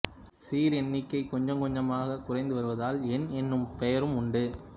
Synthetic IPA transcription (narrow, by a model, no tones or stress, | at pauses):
siːɾɛnːɪkːɐɪkːɔɲd͡ʒɐŋkɔɲd͡ʒɐmaːɣɐkʊrɐɪnd̪ɯʋɐɾɯʋɐðaːlɛnɛnːɯmpɛjɐɾɯmʊɳɖɯ